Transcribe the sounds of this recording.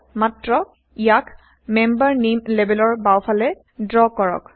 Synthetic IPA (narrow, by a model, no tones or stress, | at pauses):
matɹɔ | ijak | mɛmbaɹnimlebɛlɔɹbawpʰalɛ | dɹɔkɔɹɔ̰k